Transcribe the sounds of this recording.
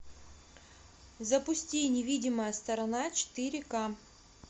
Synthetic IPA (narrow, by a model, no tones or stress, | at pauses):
zɐpʊsʲtʲinʲɪvʲidʲɪməjəst̪ɐɾɐnat͡ɕɪ̥t̪ɨɾʲɪka